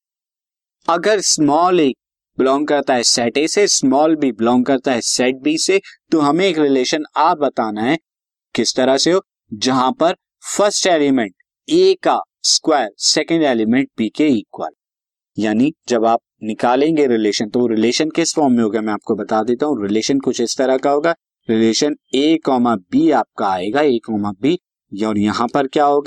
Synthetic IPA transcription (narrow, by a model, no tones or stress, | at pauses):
ɐɡəɾsmɔːleːk̚ | bɪlɔ̃ːŋɡkɐɾt̪aɦɛsɛːʈesesmɔːlbʱibɪlɔ̃ːŋɡ̚kɐɾt̪aɦɛsɛːʈ̚bʱiset̪oɦɐmẽeːkɾɪleːʃənaːp̚bɐt̪aːnaɦɛ̃ | kɪst̪ɐɾaseɦoː | d͡ʒɐɦãpɐɾ | fɐɾsʈeːlɪmɛ̃ɳʈ̚ | eːka | skwaːəɾsɛːkə̃ɳɖeːlɪmɛ̃ɳʈ̚biːkeiːkwə̰l | jaːnid͡ʒɐbaːp̚nɪkaːlẽːŋɡeɾɪleːʃə̃nt̪ooɾɪleːʃənkɪsfɔːɾmmẽɦoːɡamɛ̃aːp̚kobɐt̪aːd̪eːt̪aːɦũɾɪleːʃənkʊt͡ʃʰɪst̪ɐɾakaɦoːɡaː | ɾɪleːʃəneːkːɔːmabʱiaːp̚kaaːeːɡaeːkːɔːmabʱi | jɔːɾjɐɦãpɐɾkjaːɦoːɡaː